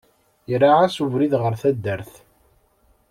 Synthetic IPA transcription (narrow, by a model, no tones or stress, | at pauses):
jɾaʕasuvɾiðʁəɾθæd̪ːəɾθ